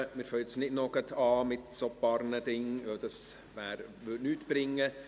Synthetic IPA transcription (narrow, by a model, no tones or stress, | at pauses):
mɪːɾfœt͡snɪdnɔɡət̪ʰɑːmɪtsopɑɾnədɪŋʋœld̥̪ɑs | ʋæːɾʋʏtnyːtb̥ɾɪŋːə